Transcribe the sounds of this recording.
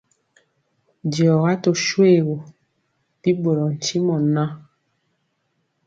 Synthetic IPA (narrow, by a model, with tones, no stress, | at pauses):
djɔ˨ɣa˦to˨ʃwe˦˨ɣo˨ | pi˦bo˨ɾɔ˨n̩˨t͡ʃi˦mɔ˨na˦